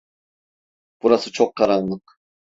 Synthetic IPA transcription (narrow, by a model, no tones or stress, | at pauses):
b̥uɾasɯt͡ʃʰoqʰːɑɾɑnlˠɯq